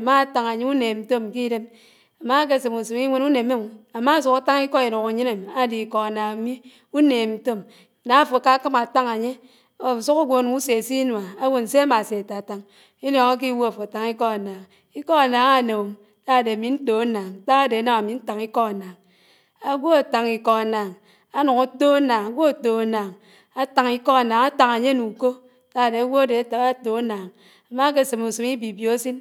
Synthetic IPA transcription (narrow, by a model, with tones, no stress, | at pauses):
ma˦a˨ta˨ŋa˨ɲe˦u˦ne˨n̩˨to˦m˨ki˦de˦m | a˨ma˦k̬e˦˨se˨mu˨si˨ŋi˦ŋʷe˦nu˦ne˨me˦ŋ˨a˨ma˦˨s̬u˨ka˦ta˦ŋi˦kɔ˦i˨ɾo˨ka˨ɲi˦na˨m˨a˦di˨kɔ˨a˨na˨ŋ˨˦mi˦ | u˦ne˨m̩˨to˦m˨ | na˨˦˨fo˨ka˦kɨ˦ma˨ta˦ŋa˨ɲe˦ | o˨s̬u˦ku˦ɡʷo˦˨n˦u˦se˨si˦nwa˨a˦wo˦n̩˨se˦a˦ma˨se˨a˨ta˨a˨ta˦ŋ | i˦lɔ˨ŋa˦k̬i˦wo˦a˨fo˨ta˨ŋi˦kɔ˦a˨na˨ŋ | i˦kɔ˦a˨na˨ŋa˦˨no˨m˦ | ta˦˨de˨a˨mi˨n̩˦to˨a˦naː˨ŋ˦ta˦a˦de˨a˦na˨ma˨mi˨n̩˦ta˨ŋi˦kɔ˦a˨naː˨ŋ | a˦ɡʷo˦a˨ta˨ŋi˨kɔ˨a˨na˨ŋ | a˦nu˨ku˦to˦a˦na˨ŋa˨ɡʷo˦a˨to˨a˨na˨ŋ | a˦ta˨ŋi˦kɔ˦a˨naː˨ŋa˦ta˨ŋa˨ɲe˦nu˨ko˦ | ta˦˨de˨a˨˦ɡʷo˦a˦de˨˦ta˨˦a˦to˨˦a˦naː˨ŋ | a˨ma˦k̬e˦˨se˨mu˨su˨mi˦bi˨bjo˨a˦si˦n